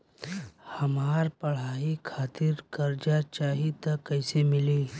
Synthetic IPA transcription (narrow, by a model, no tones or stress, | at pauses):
hɐmaːɾpɐɽ̤aːikʰaːt̪ɪɾkɐɾd͡ʒat͡ʃaːɦit̪ɐkːɐɪsemɪliː